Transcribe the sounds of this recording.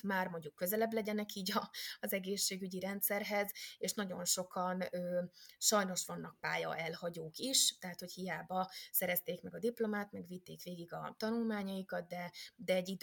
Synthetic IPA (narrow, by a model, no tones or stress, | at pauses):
maːrmoɲɟukːøzɛlɛblɛɟɛnɛkiːɟɒːzɛɡeːʃːeːɡyɟiɾɛnt̪sɛrɦɛzeːʃnɒɟo̞nʃo̞kɒnøːʃɒjno̞ʃʋɒnːɒk̚paːjɒ̰ʔɛlhɒɟoːkiʃt̪ɛɦat̪ho̞chijaːbɒsɛɾɛst̪eːkmɛɡɒd̪iplo̞maːt̪mɛɡʋit̪ːeːkʋeːɡiɡɒ̰t̪ɒnulmaːɲɒjikɒt̪̚d̪ɛd̪ɛːɟid̪